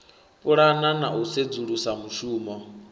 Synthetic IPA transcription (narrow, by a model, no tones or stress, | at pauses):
pʼuɺananaused͡zuɺusamut͡ʃuːmɔ